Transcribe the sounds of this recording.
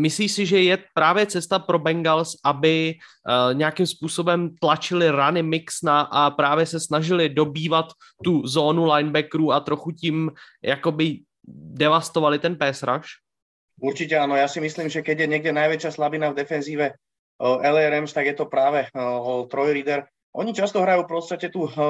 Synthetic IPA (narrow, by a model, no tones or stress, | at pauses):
mɪsliːsɪʒɛjɛpɾaːvjɛt͡sɛst̪apɾo̞bɛŋɡalsʔabɪ | ɲɛakimspuːsobɛmt̪lat͡ʃɪlɪɾanɪmɪksnaʔapɾaːvjɛsɛsnaʒɪlɪdo̞biːvat̪ː | uzoːnulajnbɛkɾuːat̪ɾo̞xucɪm | jako̞bɪ | dɛvast̪ovalɪt̪ɛnpɛːsɾa̰ʃ | uɾt͡ʃicɛanojaːsɪmisliːmʒɛkɛɟjɛɲɛɡ̚ɟɛnajʋɛt͡ʃɪaslabinavd̪ɛfɛnziːʋɛ | ɛlɛɾɛmst̪aɡjɛt̪ɔpɾaːʋɛɦɔlt̪ɾɔjliːd̪ɛɾ | ʔoɲɪt͡ʃast̪ɔɦɾajuːfpost̪acɛt̪u